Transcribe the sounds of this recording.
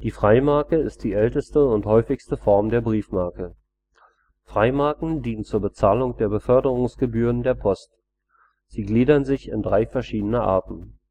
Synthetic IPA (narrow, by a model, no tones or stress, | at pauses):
d̥iːfʁ̥aɪmaɐkəɪst̚d̥iːʔɛltəstəʊnthɔʏfɪçstəfɔɐmdeːɐbʁiːfmaɐkə | fʁ̥aɪmaɐkŋ̩diːnənt͡suːɐbət͡saːlʊŋd̥eːɐbəfœɐdəʁ̞ʊŋsɡ̥əbyːʁəndeːɐpʰɔst | z̥iːɡliːdɐnzɪçɪ̰ndʁaɪfɛɐʃiːdənəʔa̰ɐtn̩